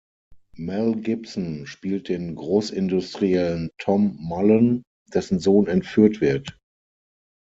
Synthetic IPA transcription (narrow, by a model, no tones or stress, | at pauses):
mɛlɡɪpsnʃpiːlt̚d̥eːnɡʁoːsɪndʊstʁ̥iɛləntʰɔmːɔlən | d̥ɛsn̩zoːnɛntfyːɐtv̥ɪɐt